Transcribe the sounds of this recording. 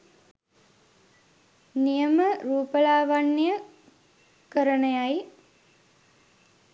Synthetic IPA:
nijəməɾuːpəlaːʋanːijə | kəɾənəjaj

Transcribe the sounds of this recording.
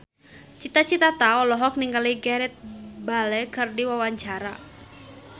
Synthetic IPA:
t͡ʃit̪at͡ʃit̪at̪aɔlɔɦɔk̚niŋɡaliɡɛɾɛt̪̚balɛkɨrdiwawaɲt͡ʃaɾa

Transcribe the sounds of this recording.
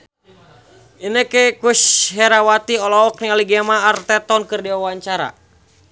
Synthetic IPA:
inəkɛkusɦɛɾawat̪iɔlɔɔk̚nialiɡɛmaːrt̪ɛt̪ɔnkɨrdiwawaɲt͡ʃaɾa̰

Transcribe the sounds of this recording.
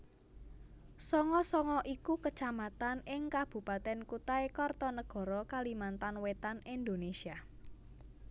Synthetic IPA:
sɔŋɔsɔŋɔʔikukət͡ʃamat̪anɪŋkab̥ṳpat̪ɛnkut̪aekɔrt̪ɔnəɡ̥ɔ̤ɾɔkalimant̪anwet̪anind̪onesia

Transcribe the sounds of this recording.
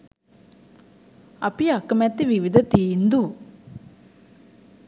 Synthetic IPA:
ɐpiakɐmɛt̪ːiʋiʋid̪ʱɐt̪iːnd̪u

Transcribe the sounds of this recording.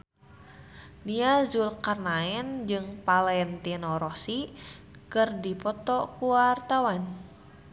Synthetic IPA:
niazulkarnaɛnd͡ʒɨŋpalɛnt̪inɔɾɔsikɨrdipɔt̪ɔkuwart̪awan

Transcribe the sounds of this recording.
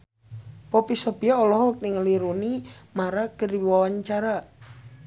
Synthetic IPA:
pɔpisɔbijaolɔɦɔk̚nɪŋəliɾunimaɾakəriwawaɲt͡ʃaɾa

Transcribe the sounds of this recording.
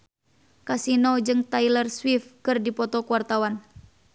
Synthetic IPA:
kasinɔd͡ʒɨŋt̪ajlərswifkɨrdipɔt̪ɔkuwart̪awan

